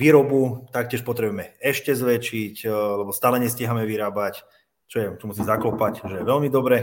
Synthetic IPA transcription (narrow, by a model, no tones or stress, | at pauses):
ʋiːɾɔbut̪ak̚tcɪɛʃpɔt̪ɾɛbujɛmɛɛʃcɛzʋɛt͡ʃiclɛbɔst̪aːlɛɲɛsciɦamɛʋiɾaːbac | t͡ʃɔjɛt͡ʃɔmusiːmzaklɔpacʒɛjɛʋɛlmid̪ɔbɾɛ